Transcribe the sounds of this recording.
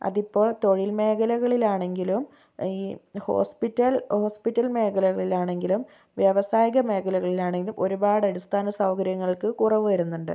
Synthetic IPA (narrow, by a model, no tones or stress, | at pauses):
ɐ̰ðipːo̞ːɭt̪o̞ɻilme̞ːkʰɐlɐɣɐɭilaːɳe̞ŋɡilum | iːho̞̰ːspitːɐlho̞ːspitːɐlme̞ːkʰɐlɐɣɐɭilaːɳe̞ŋɡilum | ʋjɐʋɐsaːjiɣɐme̞ːkʰɐlɐɣɐɭilaːɳe̞ŋɡilumʔo̞ɾubaːɽɐɽist̪aːnɐsɐwkɐɾjɐŋːɐɭkɨkurɐʋɨʋɐɾunːuɳɖɨ̰